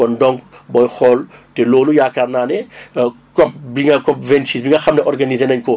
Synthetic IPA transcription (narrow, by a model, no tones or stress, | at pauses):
ɔndɔŋkbɔjxɔltɛloːlujaːkarnaːnɛ | kɔp̚biŋɡɐkɔp̚vɛnsiːsbiŋɡɐxɐmnɛʔɔrɡɐnizenɐɲkɔ